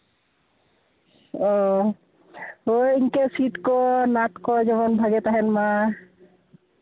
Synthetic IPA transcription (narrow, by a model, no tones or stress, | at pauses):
ɔ | oiŋkesit̪kɔnat̪kɔd͡ʒɔmɔnbʱaɡet̪aɦɛnma